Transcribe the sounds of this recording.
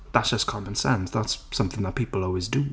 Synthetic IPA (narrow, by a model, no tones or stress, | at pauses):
ðatsd̥ʒ̥ʌskʰɑmə̃nsɛ̃ndðatsʌ̃mθɪ̃ŋðət̚pʰiˑpəl̩ˠɔːlˠwɪzdə